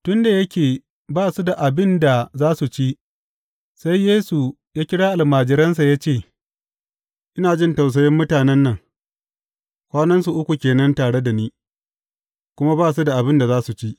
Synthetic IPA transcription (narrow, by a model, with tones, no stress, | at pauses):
tʊ˦nda˨jɐ˦kʲeː˨ | baː˦˨su˨da˨ʔa˨bɪ˦nda˨zaː˦su˨t͡ʃi˦ | sa˦jːeː˦su˨ | jaː˦kʲɪ˦ɽaː˦ʔa˨lmaː˨d͡ʒɪ˦ɾɐ˦ns̬a˨jaː˦t͡ʃeː˦˨ | ʔɪ˦naː˨d͡ʒɪ˦nta˨ws̬ɐ˨jɪ˦mːʊ˦taː˨nɛ˦nːɐ˨ŋ | kʷaː˦nɐ˦ns̬u˨ʔʊ˦kʷu˨kʲeː˨nɐ˦ntaː˨ɽe˦da˨niː˦ | kʷʊ˦ma˦baː˦s̬u˦da˨ʔa˨bɪ˦nda˨zaː˦su˨t͡ʃi˦